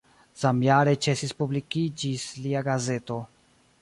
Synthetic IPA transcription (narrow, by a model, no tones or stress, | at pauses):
z̥amjaɾet͡ʃe̞sispublikid͡ʒisliaɡaze̞to̞